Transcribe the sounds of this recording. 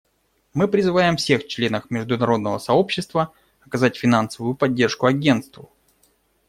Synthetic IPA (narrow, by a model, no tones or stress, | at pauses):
mɨpɾʲɪzɨvajɪmfsʲe̞xt͡ɕlʲe̞nəxmʲɪʐd̪ʊnɐɾo̞d̪nəvəsɐo̞pɕːɪst̪və | ɐkɐzatʲfʲɪnansəvʊjʊpɐdʲːe̞rʂkʊɐɡʲe̞nt̪st̪vʊ